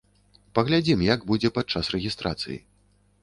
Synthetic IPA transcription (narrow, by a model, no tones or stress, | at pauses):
pɐɣlʲad͡zʲimjaɡbud͡zʲɛpad̪̚t͡ʂasrɛɣʲist̪ɾʔa̰t̪sɨ̰jḭ